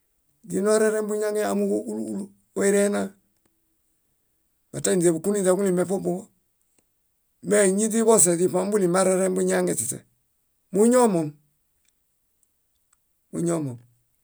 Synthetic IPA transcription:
di˨no˦ɾe˦ɾe˦mbu˦ɲa˦ŋɡe˦a˨mu˦u˦lu˦ | o˦i˦ɾe˦na˦ | ba˨ta˦i˨n˨e˨bu˨ku˦ni˦da˨ɡu˦li˨me˨fo˦bo˦o˦ | me˦˨ɲi˦di˦bo˦s̬e˨di˨pa˨˦m˦bu˦li˨ma˦ɾe˦ɾe˦mbu˦ɲa˦ŋe˨si˨tḛ˨ | mu˦ɲo˦mo˨m | mṵ˦ɲo˦mo˨m

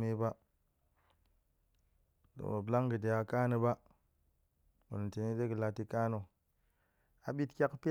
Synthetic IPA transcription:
me˦ba˦ | do̰˨mo˨bla˦ŋɡə˨de˨ja˨ka˦nə˨ba˦ | mṵ˨n˨te˨ni˦de˦ɡə˨la˨ti˦ka˦no˨ | a˨ɓi˦tkʲa˦kpi˦

